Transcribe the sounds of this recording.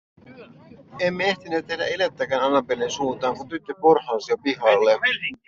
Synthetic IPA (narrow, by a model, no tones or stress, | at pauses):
emːeeht̪inet̪ːedæ̰ilet̪ːækæːnɑnːɑmpelensuːnt̪ɑːŋkunt̪yt̪ːøporhɑːnsiopihɑlːe